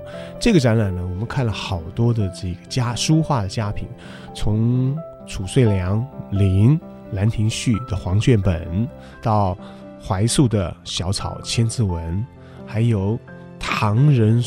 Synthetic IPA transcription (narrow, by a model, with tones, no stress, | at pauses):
ʈ͡ʂɤ˥˩ɡə˩ʈ͡ʂa˧˥nɻa˨˩nnə˦wɔ˨˩mə˦nkʰa˥˩nlə˩xɑ˨˩ʊt̪wɔ˥d̪ə˨ʈ͡ʂɤ˥˩ɡə˩t͡ɕja˥ʂu˥xwa˥˩d̪ə˩t͡ɕja˥pʰḭ˨˩˦n | t͡sʰʊ˧˥ŋ | ʈ͡ʂʰu˨˩swe˥˩ɪljɑ˧˥ŋli˧˥ŋ | la˧˥nt̪ʰi˧˥ŋɕy˥˩d̪ə˩xwɑ˧˥ŋt͡ɕɥɛ˥˩npə̰˨˩n | t̪ɑ˥˩ʊ | xwa˧˥ɪsu˥˩d̪ə˩ɕjɑ˧˥ʊt͡sʰɑ̰˨˩ʊt͡ɕʰjɛ˥nt͡sɹ̩˥˩wə˧˥n | xa˧˥ɪjo˨˩ʊ | t̪ʰɑ˧˥ŋɻə˧˥n